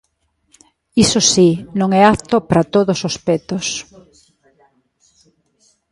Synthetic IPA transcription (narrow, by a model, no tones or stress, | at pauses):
isosinõŋɛakt̪opɾat̪oðosospet̪os